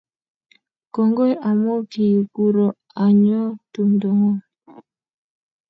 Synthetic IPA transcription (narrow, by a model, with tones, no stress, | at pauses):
kɔ˨ŋɡo˦jʔa˨mo˦ki˨ju˨ku˦ɾɔ˨ | a˨ɲɔ˦tu˨mdo˨ŋɔ˦